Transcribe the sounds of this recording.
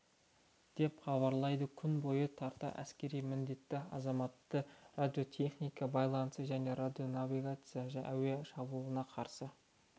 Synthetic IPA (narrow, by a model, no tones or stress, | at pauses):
d̪̥e̞pχɑβɑɾlˠɑjd̪əkʲʰʏnbo̞jət̪ʰɑɾt̪ə̰ʔæ̰skʲe̞ɾijmɪnd̪e̞t̪ːɪɑ̰zɑmɑt̪ːərad̪ʲijo̞t̪ʲʰe̞χnijkɑbɑjlˠɑnəsəʒæne̞ɾad̪ʲjo̞naviɡat̪sɨjaʒæ̰weʃɑbulˠənɑqʰɑɾsə